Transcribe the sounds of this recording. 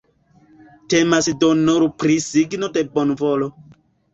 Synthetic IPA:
temasdonoɾupɾisiɡnodebɔnvɔlɔ

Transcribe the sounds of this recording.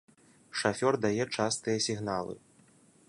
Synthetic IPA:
ʂafʲɔrd̪ajɛt͡ʂast̪ɨjɐsʲiɣn̪alˠɨ̰

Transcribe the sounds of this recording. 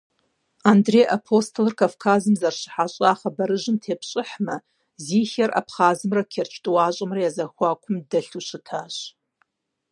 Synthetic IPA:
andrejʔapʰo̞stʰolrkʰʼavkʰazɨmzarʃʷħaɕʷʼaaχabaɾɨʒʷɨmtʰepʰɕʷʼɨħma | zixʲara̰pʰχazɨmrakʲʰert͡ʃʰtʼwaɕʷʼɨmrajazaxʷakʷʰʊmdaɬuʃʷɨtʰaʃʷ

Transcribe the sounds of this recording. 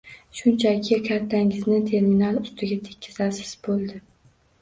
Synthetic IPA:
ʃʊnt͡ʃʰakʲʰɪkʲʰat̪ʰːaŋɪznɪt̪ʰe̞ɾminalʊst̪ʰɪɡʲat̪ʰekʲʰːɪz̥asɪ̥z̥bolˠd̪ɪ

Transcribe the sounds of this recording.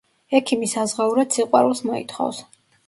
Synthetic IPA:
ɛkʰimisazʁauɾad̪siqʼwa̰ɾulˠsmɔḭt̪ʰχɔ̰vs

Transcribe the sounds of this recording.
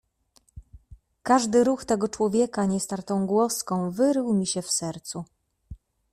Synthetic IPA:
kaʐd̪ɘɾuxt̪ɛɡɔt͡ʂwɔvʲjɛkaɲɛst̪aɾt̪ɔ̃w̃ɡwɔskɔ̃w̃vɘɾɘwmʲiɕɛfsɛɾt̪su

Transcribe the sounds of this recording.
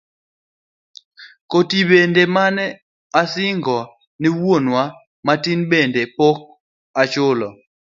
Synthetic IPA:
kotibendemanɛ | asɪŋɡɔ | nɪwwonwa | matinbendepok̚ | at͡ʃʊlɔ

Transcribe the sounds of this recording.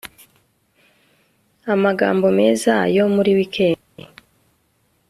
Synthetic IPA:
amaɡa̰ːmbo̞me̞ːzajo̞muɾiwikʰe̞ː | ḛ

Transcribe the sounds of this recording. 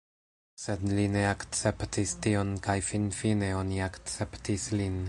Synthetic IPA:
se̞dline̞akt͡se̞ptistio̞nkajfinfine̞o̞niakt͡se̞ptislin

